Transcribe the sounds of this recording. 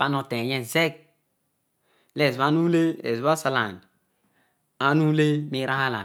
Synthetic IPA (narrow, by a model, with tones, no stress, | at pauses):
pa˦no˨te˨ɲɛ˦n˨ze˦k̚ | le˨za˦nu˦le˦ḛ˨zβa˦sa˨la˨nd | a˨nu˦le˦mi˦ɾa˦ha˦la̰˨